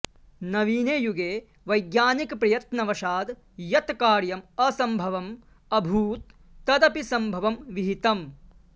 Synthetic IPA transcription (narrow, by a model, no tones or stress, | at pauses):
nɐʋiːneːjuɡeː | ʋɐjɡjaːnikpɾɐjɐt̪nɐʋɐʃaːd̪ | jɐt̪kaːɾjɐmɐsɐmbʱɐʋɐm | ɐbʱuːt̪̚ː | ɐd̪ɐpisɐmbʱɐʋɐmʋiɦit̪ɐm